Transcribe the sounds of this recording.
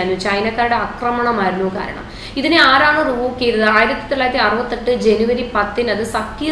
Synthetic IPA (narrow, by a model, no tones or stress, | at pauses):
ɾnːut͡ɕɐjnɐkːaːɾuɽeɐkrɐmɐɳɐmaːɾunːuːka̰ːɾɐ̰ɳɐ̰mm | iðineaːɾaːɳɨrubukːejiɾɐðɨaːjiɾɐt̪ːjit̪ːilaːjɐt̪ːiɐrʋɐt̪ːɐʈːɨd͡ʑe̞nuʋɐɾipɐt̪ːinɐðɨsɐkːij